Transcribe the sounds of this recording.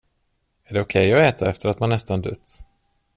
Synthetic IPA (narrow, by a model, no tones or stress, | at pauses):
æɖɛʊkʰɛjɔɛːt̪ʰaɛft̪əɾat̪manːɛst̪and̪ɵt̪ː